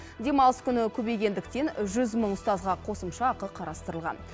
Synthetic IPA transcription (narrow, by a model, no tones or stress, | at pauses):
d̪e̞mɑlˠəskʲʰʏnɪkʲʰɵbe̞jɡʲe̞nd̪ɪkt̪e̞nʒʏzməɴʊst̪ɑzʁɑqʰo̞səmʃɑːqəqʰɑɾɑst̪əɾəlˠʁɑ̰n